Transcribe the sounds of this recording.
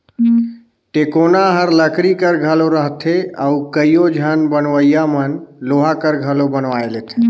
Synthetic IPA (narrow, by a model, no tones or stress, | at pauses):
ʈekonaɦəɾləkɾikəɾɡʱəloɾəɦt̪ʰea̰ukəijod͡ʒʱənbənʋəjamənloɦakəɾɡʱəlobənʋaelet̪ʰe